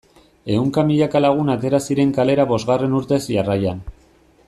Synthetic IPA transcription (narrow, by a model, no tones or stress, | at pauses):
e̞uŋkamiʎakalaɣ̞unat̪e̞ɾasiɾe̞ŋkale̞ɾaβo̞zɣare̞nuɾt̪e̞sʝarajan